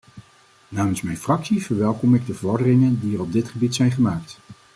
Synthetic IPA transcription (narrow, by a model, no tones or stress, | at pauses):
naːmənsmɛjnfrɑksivəɹʋɛlˠkɔmɪɡ̚dəvəɹɔɹdərɪŋəndiərɔb̚dɪtχəbitsɛjnχəmaːkt